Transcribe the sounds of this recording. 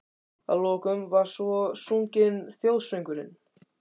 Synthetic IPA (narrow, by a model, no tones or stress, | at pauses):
a̰ðlɔːkʏmvaɾ̥svɔsuɲcɪnθjowðsvœjŋkʏɾɪ̰n